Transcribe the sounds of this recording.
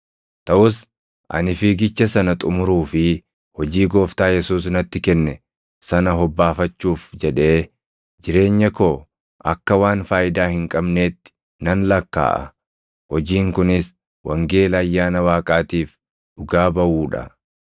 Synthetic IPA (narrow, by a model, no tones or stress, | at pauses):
t̪ɐʔʊs | ʔɐ̰nɪfiɡɪt͡ʃːɐsɐnɐt̪ʼʊmʊɾuːfɪ | hɔd͡ʒiːɡo̞ːft̪aːjɛsuːsnɐt̪ːɪkɛnːɛ | sɐnɐɦɔbːaːfɐt͡ʃːuːfd͡ʒɛᶑe̞ː | d͡ʒɪɾe̞ːɲːɐkoː | ʔɐkːɐwaːnfaːjɪd̪aːhɪŋkʼɐbneːt̪ːɪ̥ | nɐnlɐkːa̰ːʔɐ̰ | hɔd͡ʒiːŋkʊnɪs | wʔɐ̰ŋɡe̞ːlɐːjːaːnɐwaːkʼaːt̪iːf | ᶑʊɡaːbɐʔuːᶑɐ̰